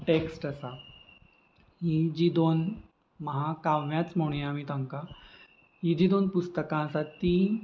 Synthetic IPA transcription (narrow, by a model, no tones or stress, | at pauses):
ʈeksʈəsa | ɦid͡ʑiːd̪on | məɦakaʋjat͡sm̤oɽ̃iamiːt̪əŋka | ɦid͡ʑiːd̪onpust̪əkãəsat̪ːi